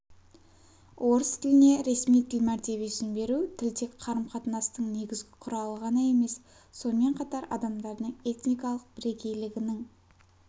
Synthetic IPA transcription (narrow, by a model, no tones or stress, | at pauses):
wʔo̞ɾəst̪ʰɪlɪne̞ɾe̞smijt̪ʰɪlmæɾt̪e̞βe̞sɪnbe̞ɾut̪ʰɪlt̪e̞kqʰɑɾəmqʰɑt̪ənɑst̪əɴne̞ɡʲɪzɡʲɪqʰʊɾɑlˠəʁɑnəe̞me̞s | so̞nəme̞ɴqʰɑt̪ɑɾɑ̰d̪ɑmd̪ɑɾd̪əɴe̞t̪nijkɑlˠəq̚bɪɾe̞kʲe̞jlɪɡʲɪnɪŋ